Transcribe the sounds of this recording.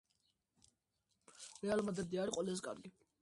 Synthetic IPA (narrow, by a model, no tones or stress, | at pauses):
ɾɛalˠmad̪ɾɛd̪iaɾiqʼwɛlas̬ɛkʼa̰ɾɡi